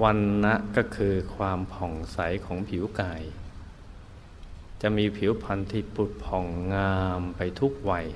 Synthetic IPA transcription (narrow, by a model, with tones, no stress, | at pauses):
wa˧nːa˦˥ʔkɔː˥˩kʰɯː˧kʰwaː˧mpʰɔ˨˩ŋsa˩˦jkʰɔː˩˦ŋpʰi˨˩˦wkaː˧˩j | t͡ɕa˨˩ʔmiː˧pʰi˩˦wpʰa˧nt̪ʰiː˧˩pu˨˩t̪̚pʰɔ˨˩ŋːaː˧mpa˧jt̪ʰu˦˥k̚wa˧˩j